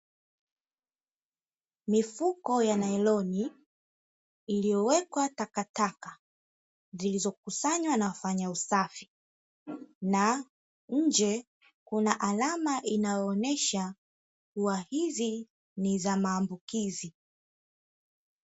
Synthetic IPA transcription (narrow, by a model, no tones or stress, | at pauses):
mifukɔjanaɛlɔni | ilijɔwɛkwatakataka | zilizɔkusaɲwanawafaɲausafi̥ | na | ɲ̩d͡ʒɛ | kunaʔalamaʔinajɔːnɛʃa | kuwahizi | nizamaːmbukizi